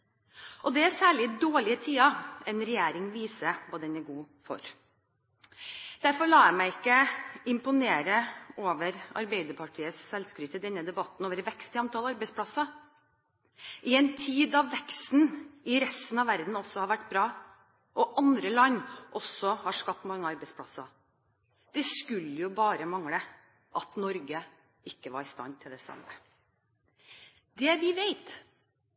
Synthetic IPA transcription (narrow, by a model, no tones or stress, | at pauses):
ʔɔd̪ɛæsæːɭɪd̪oːɭɪət̪ʰiːɑɛnɾɛjeːɾɪŋʋiːsəʋɑːd̪ɛnæɡuː | fɔ̰ɾ | d̪̥æɾfɔɾɭɑːjæmæɪɪkːəɪmpʊneːɾəoːʋəɾɑ̰ɾbɛɪd̪əɾpʰɑʈʰiːəssɛlskɾʏt̪əd̪ɛnːəd̪ɛbɑt̪ːn̩oːʋəɾʋɛkst̪ɪɑnt̪ʰɑːlɑɾbɛɪsplɑsɑ | ʔɪɛnt̪ʰiːd̪ɑʋʋɛkst̪n̩ɪɾɛst̪n̩ɑʋæɾd̪n̩ɔsːɔhɑɾʋæʈːbɾɑː | ʔɔʔɑnd̪ɾəlɑnːʔɔsɔhɑʂkɑp̚t̪mɑŋːəɑɾbɛɪspʰlɑsɑ̰ | d̪̥ɛskʉlːəjʊbɑːɾəmɑŋɽə | ʔɑt̪nɔɾɡə | ɪkːəʋɑ̰ɾɪst̪ɑ̰nt̪ʰɪld̪ɛsɑ̰mːə | d̪ɛʋɪʋeɪt̪